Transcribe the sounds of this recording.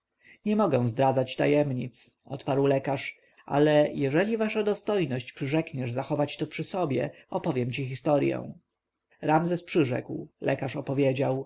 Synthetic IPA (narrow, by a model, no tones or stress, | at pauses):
ɲɛmɔɡɛw̃zd̪ɾad̪zat͡ɕt̪a̰jɛmɲit̪sʔɔ̰t̪paɾwlɛkaʂ | ʔa̰lɛjɛʐɛlʲivaʂad̪ɔst̪ɔjnɔɕt͡ɕpʂɘʐɛkɲɛʐzaxɔvat͡ɕt̪ɔpʂɘsɔbʲjɛ̰ɔpɔvʲjɛmt͡ɕixist̪ɔɾjɛ̰w̃ | ɾamzɛspʂɘʐɛ̰kwlɛkaʂɔpɔvʲjed͡ʑaw